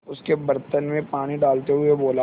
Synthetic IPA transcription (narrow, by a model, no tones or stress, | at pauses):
ʊskebɐɾt̪ənmẽpaːɽ̃iɖaːlt̪eɦʊeboːla